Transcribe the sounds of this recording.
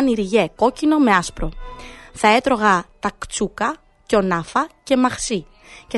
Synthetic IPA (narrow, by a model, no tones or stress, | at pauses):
niɾʝe̞ko̞cino̞me̞ɐspɾo̞θɐe̞t̪ɾo̞ɣɐt̪ɐkt͡sukɐ | ceo̞nɐfɐce̞mɐxsi | ce